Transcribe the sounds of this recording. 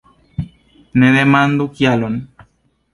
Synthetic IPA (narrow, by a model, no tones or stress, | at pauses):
neðemand̪ukjalon